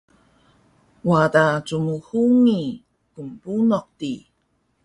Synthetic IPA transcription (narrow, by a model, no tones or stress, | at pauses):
wadat͡sumuhuŋi | kumpunɔq̚ti